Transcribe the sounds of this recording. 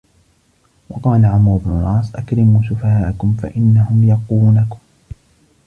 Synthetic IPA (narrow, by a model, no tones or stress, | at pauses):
wɑqɑːlaʕamɾʊbnʊlˤʔɑːsˤʔakɾɪmuːsʊfahaːʔakʊmfa̰ʔɪnːaɦʊmjɑquːnakʊm